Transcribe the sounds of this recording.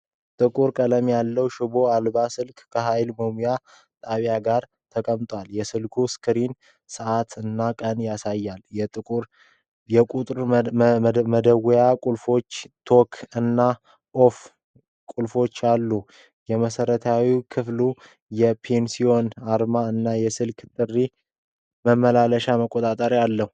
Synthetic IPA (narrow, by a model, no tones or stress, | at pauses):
t̪ʼɨkʼuɾkʼələmjalːəwʃubo̞albasɨlkʼkʰəɦajlməmuja | t̪ʼaβjaɡaɾ | t̪ʰəkʼəmt̪ʼwaljɛsɨlkʰuskʰɨɾin | sɨʔat̪ɨnːakʼənjasajːaljɛt̪ʼɨkʼuɾ | jɛkʼut̪ʼɾ | məd̪əwjakʼulfo̞t͡ʃːt̪ʰo̞kʰɨnːa | ʔof | kʼulfo̞t͡ʃːalːu | jɛməsəɾət̪ʰawikʰɨflu | jɛpʰensio̞naɾmaɨnːajɛsɨlkʰt̪ʼɨrːi | məmːəlaləʃaməkʼːot̪ʼat̪ʼəɾjalːəhu